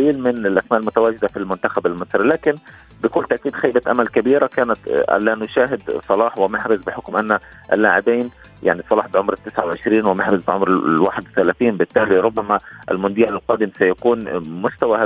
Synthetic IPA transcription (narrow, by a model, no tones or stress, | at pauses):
liːlmɪnɪlʔasmaːʔɪlmʊt̪awaːd͡ʒɪd̪afilmʊnt̪axabɪlmɨsˤɾilaːkɪn | bɪkʊlːt̪aʔkiːd̪xajbaʔa̰malkabiːɾakaːnat̪ʕa̰lːaːnʊʃaːɦɪd̪sˤɑlɑːħwɪmɪħɾɪzbɪħʊkmʔanːa | ʔɪ̰lːaːʕɪbeːn | ja̰ʕnisˤɑlɑːħbɪʕʊmɾɪt̪ːɪsʕawʕɪʃɾiːnwɪmaħɾɪzbɪʕʊmɾwaːħɪd̪wɪθalaːθiːnbɪt̪ːaːliɾʊbːamaʔɪ̰lmʊnd̪iːalalqɑːd̪ɪmsajakuːnmʊst̪awaha